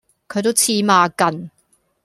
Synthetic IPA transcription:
kʰɵ˨˧t̪̬wt͡sʰiː˧maː˨˧kɐ˨˩n

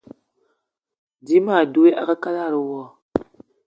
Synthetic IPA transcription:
di˦ma˦˨du˦e˦ʔa̰˦ka˦ka˦la˦˨ɾu˦wɔ˦˨

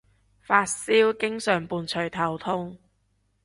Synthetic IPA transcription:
faː˧t̚siː˥wkɪ˥ŋsœː˨˩ŋpuː˨nt͡ʃʰɵ˨˩ɥt̪ʰɐ˨˩wt̪ʰʊ˥ŋ

